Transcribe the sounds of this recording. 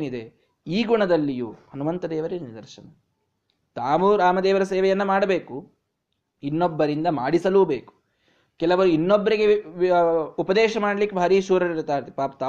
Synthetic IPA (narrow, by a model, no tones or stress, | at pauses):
nid̪e | iːɡuɳɐd̪ɐlːijuhɐnumɐnt̪ɐd̪eːʋɐɾenid̪ɐɾʃɐ̰nɐ | t̪aːʋuɾaːmɐd̪eːʋɐɾɐseːʋɛjɐnːɐmaːɽɐbeːku | inːobːɐɾind̪ɐmaːɽisɐluːbeːku̥ | kɛlɐʋɐɾuinːobːɐɾiɡe | upɐd̪ɛːʃɐmaːɽɐlikːebʱaːɾiːʃuːɾɐɾiɾt̪ːaːɾt̪paːpt̪aː